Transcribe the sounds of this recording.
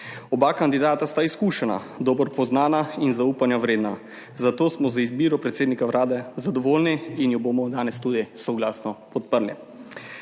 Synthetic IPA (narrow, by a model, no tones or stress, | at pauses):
ɔbakand̪id̪aːt̪ast̪aiskuːʃɛna̰ | d̪oːbɔɾpɔznaːnainzauːpanjaʋɾeːd̪na | zat̪oːsmɔzaizbiːɾɔpɾɛt̪seːd̪nikaʋɾʔaːd̪ɛzad̪ɔʋoːlniːnjubomɔd̪aːnɛst̪uːd̪isɔɡlaːsnɔpɔt̪̚pəɾlḭ